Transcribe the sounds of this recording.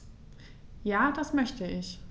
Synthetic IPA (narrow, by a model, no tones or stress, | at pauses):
jaːd̥asmœçtəɪç